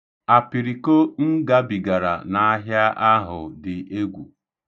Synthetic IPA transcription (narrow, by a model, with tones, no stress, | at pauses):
a˨pi˨ɾi˨ko˦n̩˦ɡa˦bi˨ɡa˨ɾa̰˨na˨a˦ɦja˦ʔa˦ɦʊ̰˨dɪ˨ʔe˦ɡʷṵ˨